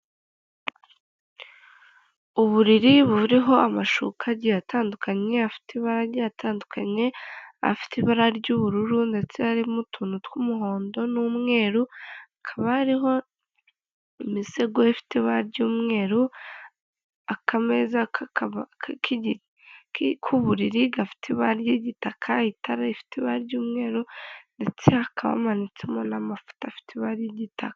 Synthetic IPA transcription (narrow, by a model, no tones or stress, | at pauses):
uβuɾiɾiβuvuɾiɦo̞ʔamaʃṵkʰaɟijataːndukʰaɲe̞afi̥teiβaɾaɾjaːtaːndukaɲe̞a̰fi̥teβaɾaɾɟuβuɾuɾunde̞t͡seaɾimutʰunutkumuɦo̞ːndo̞nuːmŋe̞ːɾuakʰaβahaɾiɦo̞ | imiseɡoefi̥tʰeβaɾɟuːmŋe̞ːɾu | akamezakʰakaβakkʰiɟi | kkʰuβuɾiɾiɡafi̥tʰeβaɾɟeɟitakʰaitʰaɾaifi̥teβaɾɟuːmŋe̞ːɾunde̞t͡seakʰaβa̰manit͡se̞monamafu̥tafi̥tʰeβaɾjeɟitakḁ